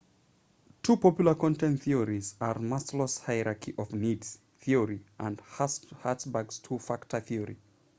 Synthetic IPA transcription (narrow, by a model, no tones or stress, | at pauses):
tʰupʰɔpjlˠəkɔ̃ntɛ̃nθiəɹizəɹmastləshaɪɹakʰiʔɔvnidz̥ | θiəɹiʔə̃ndhatsbaɡstʰufaktʰəθiəɹḭ